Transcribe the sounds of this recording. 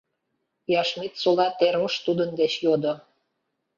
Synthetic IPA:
jɑʃmit̪solɑt̪eɾməʃt̪ud̪ənd̪et͡ɕjod̪o

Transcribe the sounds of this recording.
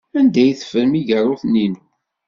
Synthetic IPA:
ænd̪æjθə̥fəɾmiʝərˤːoθnːinu

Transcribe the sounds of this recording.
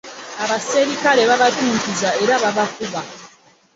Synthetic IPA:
aβase̞ɾikaɾe̞βaβatuːkizae̞ɾaβaβakuβa

